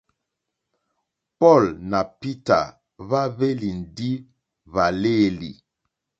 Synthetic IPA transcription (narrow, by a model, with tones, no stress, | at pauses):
pɔ˦˨lna˨pi˦ta̰˨ | βa˦βe˦li˨n˨di˦ | βa˨le˦˨li˨